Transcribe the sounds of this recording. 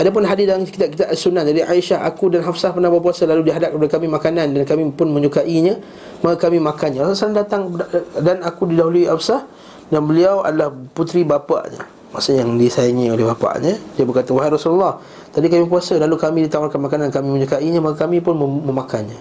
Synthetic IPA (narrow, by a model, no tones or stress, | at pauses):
ʔadap̬ʊnɦadisdalaŋt͡ʃəkit̪ap̚kit̪aʔalsunːahd͡ʒadiʔa̰iʃaɦa̰kudanɦafsahpərnabap̬uasəlaludiɦadap̚kəpadəkamĩmakanandankamĩpʊnmə̃ɲukaʔiɲə̃ | makakamĩmakanɲaasasanandat̪aŋdanakudidaɦuluiʔafsah | danbəliawʔa̰dalahput̪ɾibapa̰ʔɲə̰ | maʔsuʔjaŋdisaiŋiolehbapa̰ʔɲədiəbərkat̪əwaɦajrɔsululːɑh | t̪abikamĩp̬uasəlalukamĩdit̪awarkanmakanankamĩmə̃ɲukaʔiɲə̃makəkamĩpʊnmə̃makʰanɲa